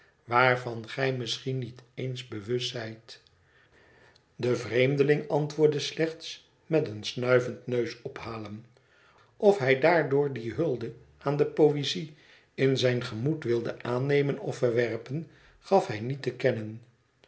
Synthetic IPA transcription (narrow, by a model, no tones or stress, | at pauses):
ʋaːɹvɑnχɛjmɪsχinːitejnzbəʋɵstːɛjt | dəvrejmdəlɪŋɑntʋʊːɹdəslɛχts | mɛtənsnœɥvəntnøɥsɔphaːləm | ɔfɦɛjdaːɹdʊːɹdiɦɵlˠdə | ʔaːndəpowezi | ɪnzɛjnχəmutʋɪlˠdəʔaːnejmənɔ̰fəɹʋɛrpən | χɑfɦɛjnitəkɛnən